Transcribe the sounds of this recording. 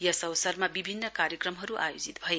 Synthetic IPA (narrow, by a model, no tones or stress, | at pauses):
jʌsʌwsʌrmabibʱinːʌkaɾjʌkrʌmɦʌɾuʔa̰jod͡zit̪bʱʌje